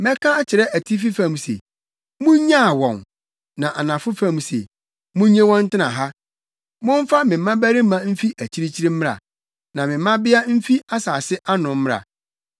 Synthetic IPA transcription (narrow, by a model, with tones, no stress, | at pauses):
mɛ˦kʰã˦t͡ɕʰɪ˨ɾɛ˦æ˨tʰi˦fi˦fã˦˨m˨sḛ˨ | mũ˦ɲã˦˨wɔ̰̃˨n | nã˨ʔa˨nã˨fʊ˦fã˦˨msḛ˨ | mũ˦ɲẽ˦wɔ̃˦n̩˦tɪ˦nã̰˨ɦa˦ | mʊ̃˦m̩˦fa˦mɪ̃˨m̩˦mã˦bæ˦ɾi˦mã˦m̩˦fi˦ʔæ˨t͡ɕʰi˦ɾi˦t͡ɕʰi˦ɾi˦m̩˦m̃˦a̰˨ | nã˨mɪ̃˨mː˦ã˦bɪ˦a˦m̩˦fi˦a˦saː˨sɪ˦ʔa˦nʊ̃˨m˦mɪ̃˦ɾa̰˨